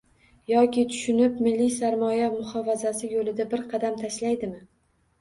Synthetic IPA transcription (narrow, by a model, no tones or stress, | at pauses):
jɒkʲɪt̪ʰʊ̥ʃʊnɪp̚mɪlːijsaɾmɒjamʊhɒfazasɪjolɪd̪abɪɾqʰɑd̪amt̪ʰaʃlajd̪ɪmɪ